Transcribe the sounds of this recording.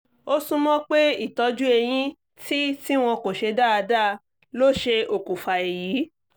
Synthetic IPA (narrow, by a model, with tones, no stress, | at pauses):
o˦sũ˦mɔ̃˦k͡pe˦i˦˨tɔ˧d͡ʒu˦e˧j̃ĩ˦ | tʰi˦ti˦w̃ɔ̃˧ko˨ʃe˧da˦˨a˧da˦˧ | lo˦˨ʃe˧o˨ku˨fa˨e˨jiː˨˦